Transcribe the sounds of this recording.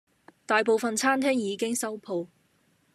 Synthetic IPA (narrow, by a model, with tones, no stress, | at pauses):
t̪aː˨jpo˨wfɐ˨nt͡sʰaː˥nt̪ʰɛː˥ŋjiː˨˧kɪ˥ŋsɐ˥wpʰo˨˧w